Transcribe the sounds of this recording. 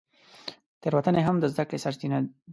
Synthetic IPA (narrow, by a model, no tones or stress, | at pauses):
t̪eɾwat̪əneɦamd̪əzd̪akɽesaɾt̪ina